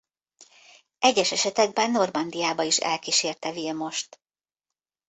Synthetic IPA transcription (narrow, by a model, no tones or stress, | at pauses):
ʔɛɟːɛʃɛʃɛt̪ɛɡ̚bɛnːo̞rmɒnd̪ijaːbɒiʃɛ̰lkiʃeːrt̪ɛvilmo̞ʃt̪